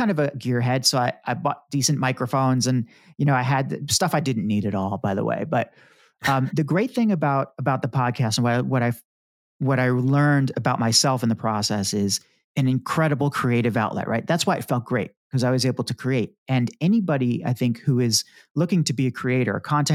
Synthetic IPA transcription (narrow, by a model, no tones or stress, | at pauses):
ãɪndʌvɨɡɪɹɦɛd̥soʊaɪʔaɪbɔt̚d̥isɨ̃nmaɪkɹəfõʊ̃nzɨ̃n | jɨñoʊaɪɨd̪̚ðstʌfaɪdɪdⁿn̩ːiɾɨɾɔlˠbaɪðə̰wḛɪbʌt̚ | ʌ̃mðɨɡɹeɪt̪̚θɪ̃ŋɨbaʊɾəbaʊt̪̚ðəpʰɑd̚kʰæstn̩wʌwʌɾaɪ | wʌɾaɪlɜ̃˞ndɨbaʊt̚maɪsɛlˠfn̩ðəpʰɹ̥ɔsɛsɪz | ɨ̃nɨ̃nkʰɹ̥ɛɾəbl̩ˠkʰɹ̥ieɪɾɨvaʊʔlɛ̰ʔ̚ɹaɪt̪̚ðætswaɪɨ̰tfɛlˠt̚ɡ̥ɹeɪt̚kʌzaɪwʌzeɪbl̩ˠtʰɨkʰɹ̥ieɪɾ̚ | ɨ̃nɛnibɑɾia̰ɪθɪ̃ŋkhuɪzlʊkɪ̃ŋtʰɨbiɨkʰɹ̥ieɪɾə̰˞kʰɑ̃ntɛ̃